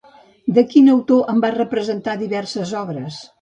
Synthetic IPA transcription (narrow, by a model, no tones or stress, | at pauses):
d̪əkinəwt̪oʔəmbarəpɾəzənt̪aðiβɛrsəzɔβɾəs